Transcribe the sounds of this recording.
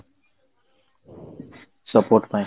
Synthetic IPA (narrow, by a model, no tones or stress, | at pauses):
sʌpoɾʈmaj